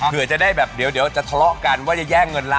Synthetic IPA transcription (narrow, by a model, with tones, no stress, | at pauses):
kʰɯ˨˩˦ət͡ɕa˨˩daː˥˩jbɛː˨˩p̚di˨˩˦əwdi˨˩˦wt͡ɕa˨˩t̪ʰa˧lɔ˦˥ʔka˧nwaː˥˩t͡ɕa˨˩jɛː˥˩ŋːɤ˧nlaː˦˥